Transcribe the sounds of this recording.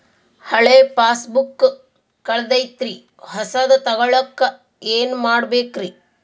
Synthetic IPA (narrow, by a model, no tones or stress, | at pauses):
hɐɭeːpaːsbukː | kɐɭɐd̪ɐjt̪ɾi | hɐsɐd̪ɐt̪ɐɣɐɭɐkːɐ | eːnumaːɽbeːkɾi